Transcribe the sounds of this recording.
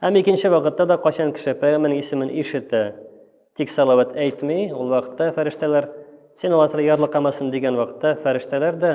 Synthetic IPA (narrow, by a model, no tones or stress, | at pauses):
hæmikɘ̆nɕɘwɒqɤ̆t̪ːɑd̪ɒqɒɕɑŋkɘ̥̆ʃɘpææmɘnɘŋisɘ̆mɘnʔiʃɘ̆t̪ːɘ | t̪iksɒlˠɑwæt̪ʰæjt̪mijulˠwɒqɤ̥̆t̪ːɑfæɾɘ̆ʃt̪ælæɾ | sinɒlˠɑt̪ɾɑjɒɾlˠɤqɑmɑsɤnd̪iɡænwɒqɤ̥̆t̪ːɑfæɾɘ̆ʃt̪ælæɾd̪ɒ